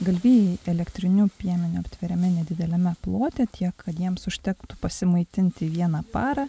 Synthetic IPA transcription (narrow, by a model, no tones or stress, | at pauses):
ɡɐlʲʋʲiːjɛlʲɛkt̪ʲɾʲɪnʲupʲiɛmʲɪnʲʊɐpʲt̪ʲʋʲɪɾʲɛmʲɛnʲɛd̪ʲɪd̪ʲɛlʲɛmʲɛplˠoːt̪ʲɛt̪ʲʰiɛkʰːɐt̪jiɛmsʊʃʲt̪ʲɛkt̪ʊpɐsʲɪmɐɪt̪ʲɪnʲt̪ʲɪʋʲiɛnɑpɑːɾɐ